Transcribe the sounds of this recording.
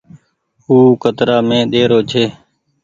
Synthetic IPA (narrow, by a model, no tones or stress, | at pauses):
ɦuːkət̪ɾaːmẽːɗ̪eːɾoːt͡ʃʰeː